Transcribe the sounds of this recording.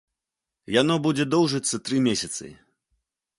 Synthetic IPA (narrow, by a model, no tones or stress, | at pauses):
janɔbud͡zʲɛd̪ɔwʐɨt̪sːɐt̪ɾɨmʲesʲɐt̪sɨ̰